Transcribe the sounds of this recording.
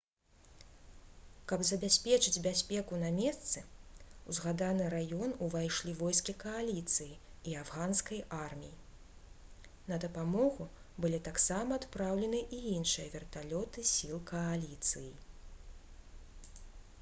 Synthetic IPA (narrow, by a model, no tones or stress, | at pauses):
kɐbzɐbʲasʲpʲɛt͡ʂɨd͡zʲbʲasʲpʲɛkunamʲɛst̪sɨuzɣad̪anɨɾajɔnuvajʂlʲivɔjskʲikɐalʲit̪sɨjiiavɣanskɐjʔarmʲiji | nɐd̪ɐpamɔɣu | bɨlʲit̪aksamɐːt̪pɾawlʲɛnɨʔijinʂɨjɐvʲɛrt̪alʲɔt̪ɨsʲilˠkʰɐalʲit̪sɨji